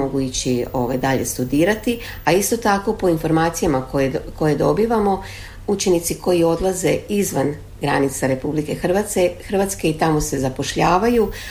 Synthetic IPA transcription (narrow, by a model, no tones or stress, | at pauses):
oɡuit͡ɕio̞̰ʋa̰jd̪aʎe̞̰st̪ud̪iːɾat̪i | aist̪o̞t̪ako̞po̞info̞ɾmaːt̪sijamaojko̞je̞d̪o̞biːʋamo̞ | ut͡ʃe̞nit̪siko̞jio̞d̪lˠaze̞izʋan | ɡɾa̰nit̪saɾe̞publike̞xrʋaexr̩ʋat̪ske̞it̪amo̞se̞zapo̞ʃʎaːʋaju